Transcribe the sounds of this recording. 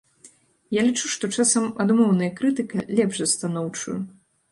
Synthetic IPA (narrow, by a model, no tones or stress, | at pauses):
jalʲit͡ʂuʂt̪ɔt͡ʂasɐmad̪mɔwnɐjɐkɾɨt̪ɨkɐlʲɛbʐɐst̪anɔwt͡ʂṵju